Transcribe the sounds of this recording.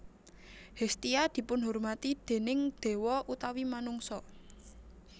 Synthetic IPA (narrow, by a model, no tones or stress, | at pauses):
hest̪iad̪̥i̤pʊnɦʊrmat̪id̪̥e̤nɪŋd̪̥e̤wɔʔut̪awimanʊŋsɔ